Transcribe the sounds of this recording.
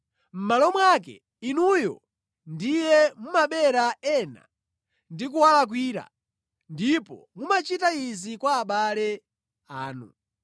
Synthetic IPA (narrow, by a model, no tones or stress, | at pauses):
m̩malɔmwak̬ɛ̰ | inujɔ̰ | ndijɛmumaɓɛɾaɛna̰ | ndik̬uwalak̬wiːɾa̰ | ndipɔ̰mumat͡ʃitaizikwaːɓalɛ | aːnṵ